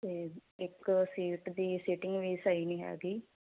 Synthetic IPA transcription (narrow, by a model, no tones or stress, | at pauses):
t̪eːɪksiːʈd̪iːsɪʈɪ̃ŋɡʋiːsaiːnĩːɦɛ̰ːɡiː